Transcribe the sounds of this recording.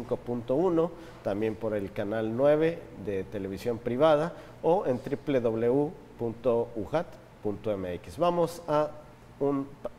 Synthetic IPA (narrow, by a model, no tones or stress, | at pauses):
ŋkopunt̪ouno | t̪ambje̞mpoɾelkanalnwe̞β̞eðet̪eleβ̞isjo̞mpɾiβað̞a | oent̪ɾipleðoβleu | punt̪ouɣat̪ | punt̪oemeekisβamosa | un